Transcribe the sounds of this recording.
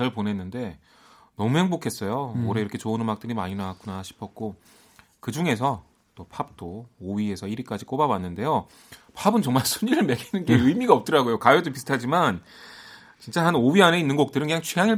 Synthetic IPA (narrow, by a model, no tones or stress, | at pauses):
ʌɭponenːɯnde̞ | nʌmuɦe̞ŋbokʰe̞s͈ʌjooɾe̞iɾʌkʰe̞t͡ɕoɯnɯmak̚t͈ɯɾima̰ɲinawak͈̚unaɕʰi̥pʰʌk̚k͈o | kɯd͡ʑuŋe̞sʰʌ | t͈opʰap̚t͈oːɥie̞sʰʌiɾik͈ad͡ʑik͈obawanːɯnde̞jo | pʰabɯnt͡ɕʌŋmaɭsʰuɲiɾɯɭme̞ɾinɯnɡe̞ɯimiɡaʌp̚t͈ɯɾaɡojokajodopisʰtʰad͡ʑiman | t͡ɕint͡ɕ͈ahanowɥiane̞inːɯnɡʌk̚t͈ɯɾɯnkɯɲaŋt͡ɕʰɥijaŋiɭ